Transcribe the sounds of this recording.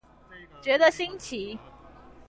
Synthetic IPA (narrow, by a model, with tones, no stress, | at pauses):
t͡ɕɥɛ˧˥d̪ə˨ɕi˥ŋt͡ɕʰi˨˥